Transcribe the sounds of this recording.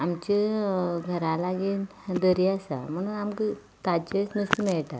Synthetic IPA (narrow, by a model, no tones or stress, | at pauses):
amt͡ɕiɡʱəɾãlaɡiːn | d̪əɾiasa̰m̤əɽ̃uːnamkə | t̪at͡ɕəsnust̪mɛɭʈat̪